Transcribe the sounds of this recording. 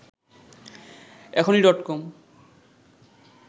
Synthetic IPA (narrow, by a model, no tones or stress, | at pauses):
ɛkʰoniɾɔʈkom